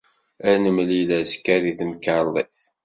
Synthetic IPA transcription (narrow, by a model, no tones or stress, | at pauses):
ænəmlilæskːæðiθəmkəlˤːiθ